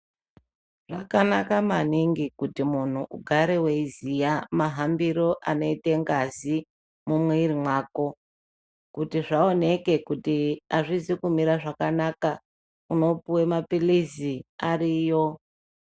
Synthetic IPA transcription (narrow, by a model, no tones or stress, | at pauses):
ʐ̥akanakamaniŋɡikutimun̤uʔṵɡʱaɾeweizijamaɦambiɾo̞ʔano̞ite̞ŋɡazi | mumweiɾimwaːko̞ | kutiʐaone̞ke̞kutiaʐizikumiɾaʐakanaka | uno̞puwe̞mapilisiariːjo̞